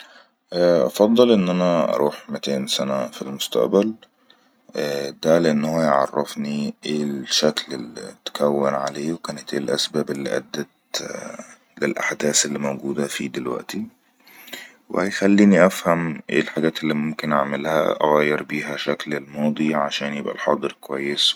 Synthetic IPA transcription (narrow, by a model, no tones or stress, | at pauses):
ʔʔɑ̰fɑd̪ˤːɑlʔɪnːʔænæʔɑ̰ɾˤʔuːħmɪt̪eːnsænæfilmʊst̪æ̰ʔbæl | d̪æleʔenːhowæjʕɑ̰rˤːɑfniʔeːʃæklelit̪kæwːɪnʕaleːwekæːnɪt̪ʔḛːlʔæ̰sbæːbelːḭʔæ̰d̪ːæt̪ | lɪlʔa̰ħd̪æːselːimowɡuːd̪æfid̪ɪlwæ̰ʔt̪i | wḛhæjxælːiːniʔæfhæmʔḛːlħaɡæːt̪elːimʊmkɪnʔaʕmɪlhæ̰ʔɑɣæːjːɪɾbiːɦæʃæklelmɑːd̪ˤiʕaʃæːnjɪbʔæ̰lħɑ̰d̪ˤɨɾkowæjːɪs